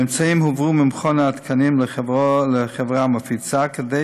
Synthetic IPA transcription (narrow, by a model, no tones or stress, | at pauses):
ɪmt͡saimhʊvʁuːmɪmχɔnaat̪kʰanimlələχɛvʁamafit͡sakəde